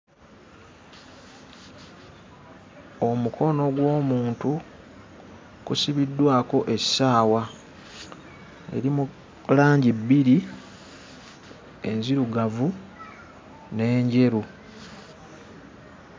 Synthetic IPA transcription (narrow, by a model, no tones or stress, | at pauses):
o̞mukʰo̞no̞ɡwo̞ːmuːntu | kusiβidːwaːko̞ʔe̞̥saːwa | ḛɾimu | laːɲɟibːiɾi | e̞̰ɲziɾuɡavu | ne̞ːɲɟe̞ɾu